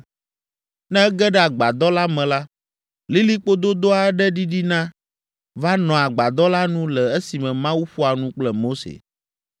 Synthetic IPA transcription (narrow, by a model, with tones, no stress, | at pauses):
nɛ̃˦ɛ˦ɡɛ˦ɖɛ˦a˨ɡ͡ba˨d̪ɔ˦la˦mɛ̃˨la˦ | li˦li˦k͡po˦d̪o˦d̪o˦a˨˦ɖɛ˦ɖi˦ɖi˦nã˦ | va˦nɔ̃˨a˨ɡ͡ba˨d̪ɔ˦la˦nũ˦lɛ˨e˦si˨mɛ̃˨mã˦wu˦ɸo˦a˨nũ˦k͡plɛ˨mo˦sḛ˨